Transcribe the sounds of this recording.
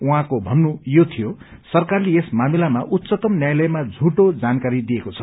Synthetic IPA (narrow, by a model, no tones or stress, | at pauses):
uɦãkobʱʌnːujot̪ʰijosʌrkarleesmamilamaʔut̪ːsʌt̪ʌmnjajlʌjmad͡zʱuʈod͡zankaɾid̪iekot͡sʰʌ̥